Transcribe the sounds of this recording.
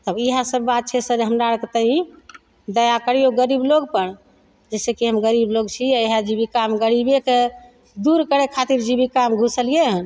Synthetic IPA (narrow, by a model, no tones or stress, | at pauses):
t̪əbiɦasəbːat̪̚t͡ʃʰɛsəd͡ʒɦəmɾaɾkt̪əĩ | d̪əjakəɾijoɡəɾibloɡpəɽ | d͡ʒɛsekiɦəmɡəɾibloɡt͡ʃʰiɛiɦad͡ʒibikamɡəɾibeke | d̪uɾkəɾekʰat̪iɾd͡ʒibikamɡʱusəlijeɦən